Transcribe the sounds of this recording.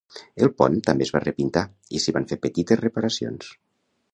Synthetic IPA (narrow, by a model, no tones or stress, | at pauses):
əlˠpɔ̰nt̪ambezβarəpint̪a | isiβaɱfepət̪it̪esrepaɾasio̰ns